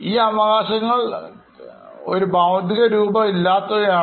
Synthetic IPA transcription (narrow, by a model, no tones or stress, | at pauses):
iːɐʋɐɣaːɕɐŋːɐɭ | o̞̰ɾubaːʋd̪ʱiɣɐɾuːbɐilːaːt̪ːɐaː